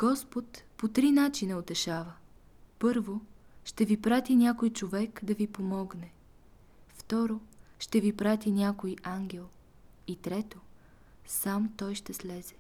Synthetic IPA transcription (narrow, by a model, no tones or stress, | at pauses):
ɡ̥ɔspot̪pot̪ɾinat͡ʃinəot̪ɛʃavə | pɤɾvoʃt̪ɛvipɾat̪inʲakojt͡ʃovɛkd̪ɐvipomɔɡnɛ | ft̪ɔɾoʃt̪ɛvipɾat̪inʲakojʔaŋɡʲɛlˠ | it̪ɾɛt̪o | samt̪ɔjʃt̪ɛslɛz̥ɛ̥